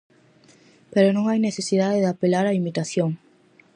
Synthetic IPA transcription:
peɾonõŋajneθesiðaðeðapelaɾaimit̪aθjoŋ

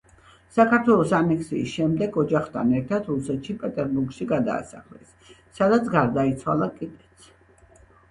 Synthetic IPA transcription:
sakʰaɾt̪ʰwɛlˠɔsanɛksḭːsʃɛmd̪ɛɡɔd͡ʒaχt̪ʰa̰nɛɾt̪ʰad̪ɾusɛt̪ʃipʼɛt̪ʼɛɾbuɾɡʃiɡad̪a̰ːsa̰χlɛsː | ad̪at̪sʰɡaɾd̪ait̪sʰwa̰lˠakʼid̪ɛt̪sʰ

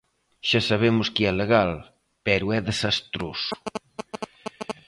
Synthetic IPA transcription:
ʃasaβ̞emʊskiɛleɣal | pɛɾʊɛðesast̪ɾosʊ̥

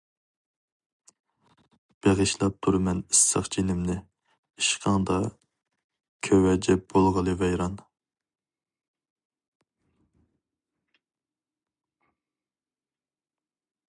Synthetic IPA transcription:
b̥eʁɨʃlˠɑp̚t̪ʰuɾmɛnisːə̰χt͡ʃʰinɪmnɪ | iʃqʰɑŋd̪ɑ | kʲʰøwɛd͡ʒɛb̥olˠʁəlˠɨvɛjɾɑn

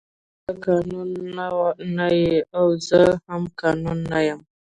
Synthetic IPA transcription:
akanonːawanajeawzahamkanonːajam

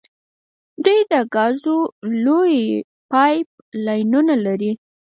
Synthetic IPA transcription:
d̪ujd̪əɡɑzoloj | pɑjp̚lɑjnunalaɾi

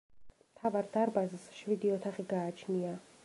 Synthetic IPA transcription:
mt̪ʰavaɾd̪aɾbazsʃvid̪iɔt̪ʰaχiɡaːt͡ʃʰnia

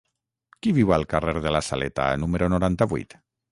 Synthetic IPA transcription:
kiβiwalˠkareɾðelasalet̪a̰numeɾonoɾant̪aβṵjt̪

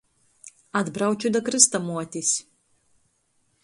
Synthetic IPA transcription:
ad̪bɾawt͡ʃʲud̪ɐkɾɨst̪ɐmuɔt̪ʲisʲ

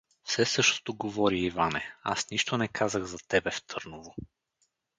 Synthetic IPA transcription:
fsɛsɤʃt̪o̥t̪oɡovɔɾiːvanɛa̰sniʃt̪onɛkʰazəɣzɐt̪ɛbɛft̪ʰɤɾnovo

